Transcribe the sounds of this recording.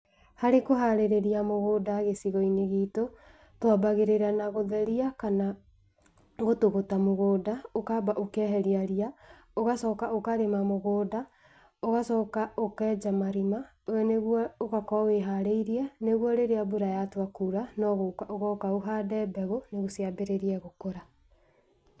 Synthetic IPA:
haɾekoɦaɾeɾeɾiamoɣoːdaɣesiɣɔineɣiːto | twabaɣeɾeɾanaɣoðɛɾiakana | ɣotoɣotamoɣoːdaokabaʔokɛɦɛɾiaɾia | oɣasɔkaokaɾemamoɣoːda | oɣasɔːkaokɛːd͡ʒamaɾima | oɛneɣwɔoɣakɔaweɦaɾeiɾiɛneɣwɔɾeɾeaboɾajatwakuɾanɔɣokaʔoɣɔkaoɦadɛːbɛɣoneɣosiabeɾeɾiɛɣokoɾa

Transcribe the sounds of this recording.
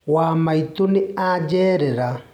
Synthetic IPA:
waːmait̪uniad͡ʒɛːɾɛɾa

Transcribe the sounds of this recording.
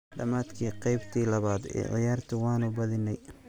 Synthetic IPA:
ɖɐmaːd̪kʰiːqɑjbt̪ʰiːlɐβaːd̪ɛ̰ːʕɪ̰jaːrt̪ʰʊwɑːnʊbɐðɪnɛj

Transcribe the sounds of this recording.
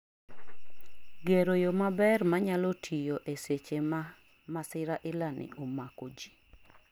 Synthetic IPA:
ɡeɾojomabɛrmaɲalotʰijoʔeset͡ʃem | masɪɾaʔɪlanɪ̰omakod͡ʒi

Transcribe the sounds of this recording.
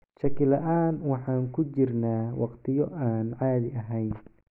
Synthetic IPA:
ʃɐkɪlɐʔaːnwɑħɑːŋkʰʊt͡ʃɪrnaːwʔɑqt̪ʰɪjɔʔaːnʕaːðɪʔɐɦɛjn

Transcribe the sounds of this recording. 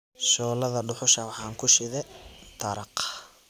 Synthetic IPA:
ʃɔːlɐðɐɖʊħʊʃɐwɑħɑːŋkʰʊʃɪðɛt̪ʰɐɾɑq

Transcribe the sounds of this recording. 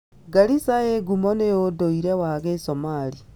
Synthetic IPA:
ɡaɾisaeɡumɔnejodoiɾɛwaɣesɔmaɾi

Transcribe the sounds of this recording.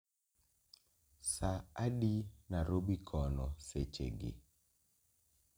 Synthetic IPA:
saaɗinaɾobikʰɔnɔset͡ʃḛɡɪ̰

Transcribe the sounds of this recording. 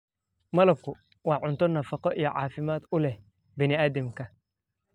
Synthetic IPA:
mɐlɐb̚kʰʊ | wɑːʕʊnt̪ʰɔnɐfɑqɔʔijɔʕɑ̰ːfɪmaːd̪ʊlɛh | bɛnɪaːd̪ɐmkʰɐ

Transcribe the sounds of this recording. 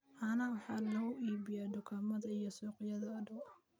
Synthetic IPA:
ʔɐnɐwɑħɑːnɐɣʊʔiːbɪjaːd̪ʊkʰaːmɐðɐijɔsuːqɪjɐðɐːd̪ɐwɐ

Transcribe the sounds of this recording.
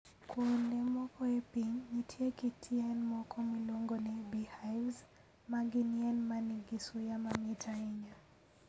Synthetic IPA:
kundɛmwɔkɔɛpiŋnitʰiɛkitʰiɛnmɔkʰɔmwilɔŋɡɔnibihajvz | maɡiniɛnmaniɡisujamamitʰaiɲa

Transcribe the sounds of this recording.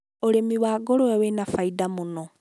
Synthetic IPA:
oɾemiwaːɡoɾoɛwenafaidamonɔ

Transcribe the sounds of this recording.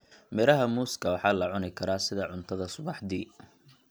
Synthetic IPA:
mɛɾɐɦɐmuːskʰɐwɑħɑːlɐʕʊnɪkʰɐɾaːsɪðɐʕʊnt̪ʰɐðɐsʊβɑħd̪iː

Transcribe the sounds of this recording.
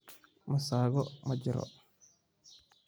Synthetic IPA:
mɐsaːɣɔmɐd͡ʒɪɾɔ̰

